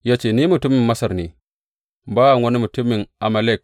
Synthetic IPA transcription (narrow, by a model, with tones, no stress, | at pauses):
ja˦t͡ʃe˨ni˦mu˨tu˦mi˨mːɐ˦sɐ˨ɾne˨ | baː˦a˨ŋwɐ˦ni˦mu˨tu˦mːi˨nʔa˨ma˨le˦˨k̚